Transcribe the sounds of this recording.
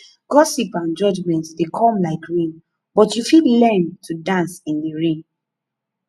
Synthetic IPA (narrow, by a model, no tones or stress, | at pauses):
ɡ̥ɔsipãnd͡ʒɔd͡ʒmɛ̃ntsdekʰɔ̃mlaɪkɹĩn | bɔtjufilɛ̃ntʰudãnsĩndiɹĩn